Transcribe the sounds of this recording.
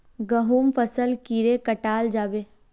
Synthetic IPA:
ɡəɦuːmfəsəlkiːɾekəʈaːld͡ʒaːbeː

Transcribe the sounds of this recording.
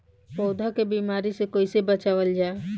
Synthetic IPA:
pɔːd̪ʱakebiːmaːɾisekoːisebət͡ʃaːʋəld͡ʒaːe

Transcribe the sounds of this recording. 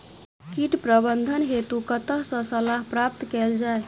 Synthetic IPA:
kiʈpɾəbənd̪ʱənɦet̪ukət̪əɦsə̃səlaɦpɾap̚t̪kɛld͡ʒae

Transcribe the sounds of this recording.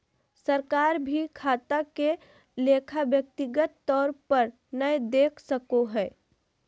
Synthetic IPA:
səɾkaːɾbʱikʰaːt̪ake | leːkʰabjək̚t̪ɪɡət̪ːɔːɾpəɾ | nəed̪eːkʰsəkoɦɛː

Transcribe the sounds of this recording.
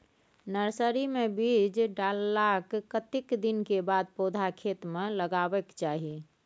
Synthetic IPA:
nəɾsəɾimebid͡ʒɖalːakkət̪ikd̪inkebad̪̚pod̪ʱakʰet̪meləɡabɛkt͡ʃaɦi

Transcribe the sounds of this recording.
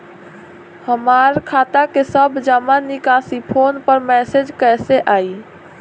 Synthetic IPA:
həmaːɾkʰaːt̪akesəbd͡ʒaːmanɪkaːsipʰoːnpəɾmɛːsed͡ʒkɛːseʔaːiː

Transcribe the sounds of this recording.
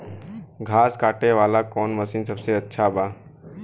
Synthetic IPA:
ɡʱaːskaːʈeʋaːlakɔːnməsinsəbseətːʃʰaba

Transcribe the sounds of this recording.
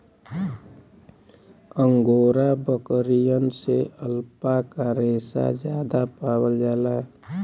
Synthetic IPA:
əŋɡoːɾabəkəɾijənseʔəlpakaɾeːsa̰d͡ʒjad̪apaːwəld͡ʒaːla

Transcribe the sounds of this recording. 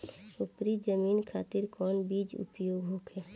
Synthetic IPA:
ʊpɾid͡ʒəmiːnkʰaːt̪iɾkɔːnbiːd͡ʒʊ̰pjoːɡɦokʰɛː

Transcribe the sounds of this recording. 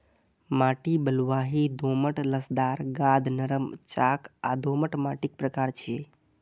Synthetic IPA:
maːʈibəlʋaːɦid̪ʱoːməʈləsd̪aːɾɡãːd̪nəɾəmt͡ʃakad̪ʱoːməʈmaːʈik̚pɾəkaːɾt͡ʃʰie

